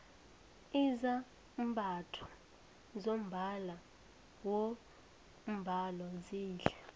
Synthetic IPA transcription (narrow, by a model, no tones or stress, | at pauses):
iza | m̩ɓʱatʰɔ̥ | zom̩bʱala | wɔ | m̩bʱalɔziːɬɛ